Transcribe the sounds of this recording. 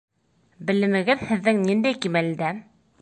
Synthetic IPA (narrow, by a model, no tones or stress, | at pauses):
bɘ̆lɘ̆mɘ̆ɡɘðhɘ̆ðːɘŋnind̪æjkimælɘ̆d̪æ